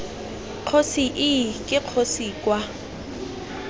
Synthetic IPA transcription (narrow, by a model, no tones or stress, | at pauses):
q͡χʰosiʔɪkʼɪq͡χʰosiːkʼwa